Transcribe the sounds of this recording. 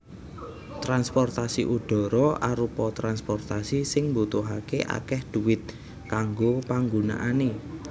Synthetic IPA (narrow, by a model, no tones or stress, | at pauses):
t̪ɾanspɔrt̪asiʔuɖ̥ɔ̤ɾɔʔaɾupɔt̪ɾanspɔrt̪asisɪŋmbut̪uɦakeʔa̰kɛhd̪̥uwɪt̪̚ | kaŋɡopaŋɡuna̰ʔane